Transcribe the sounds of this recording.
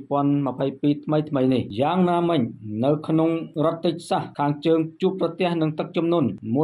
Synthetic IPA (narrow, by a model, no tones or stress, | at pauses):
pŏənmə̆pʰəjpiːt̪ʰməjt̪ʰməjnihjaːŋnaːmɨɲnɨwkʰnoŋrŏət̪ːɨc̚sahkʰaːŋt͡ɕəːŋt͡ɕuəpːrɑt̪ɛ̆əhnɨŋt̪ɨk̚t͡ɕumnuənmuə